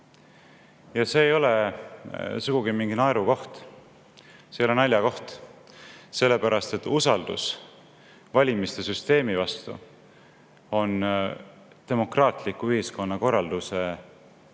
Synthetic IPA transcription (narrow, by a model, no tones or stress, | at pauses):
jɑse̞ːjo̞le | suɡ̥uɡimiŋɡ̥inɑeɾuko̞ht̪ | sejolnɑlʲjɑko̞ht̪ | se̞lːe̞pæɾɑst̪e̞t̪ːusɑld̪ṵs | vɑlʲimist̪e̞syst̪e̞ːmivɑst̪ṵ | o̞n | t̪e̞mo̞krɑːt̪likːˑuyhisko̞nːɑko̞rːɑld̪use̞